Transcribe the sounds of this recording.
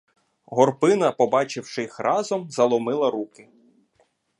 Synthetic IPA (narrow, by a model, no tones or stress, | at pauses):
ɦɔrpɪnɐpɔbɑt͡ʃɪwʃɪxrʔɑzɔmzɐlˠɔmɪlˠɐɾukɪ